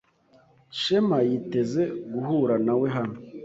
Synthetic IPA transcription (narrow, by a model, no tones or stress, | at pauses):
ʃemajite̞ze̞ɡuhuɾanaweɦan̥o